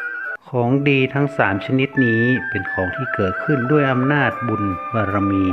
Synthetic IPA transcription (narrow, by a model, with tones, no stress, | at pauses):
kʰɔː˩˦ŋdiː˧t̪ʰa˦˥ŋsaː˩˦mt͡ɕʰa˧ni˦˥t̪̚niː˦˥pe˧nkʰɔː˩˦ŋt̪ʰiː˥˩kɤː˨˩t̪̚kʰɯ˥˩ndu˥˩əjʔa˧mnaː˥˩t̪̚bu˧nbaː˧ɾa˧miː˧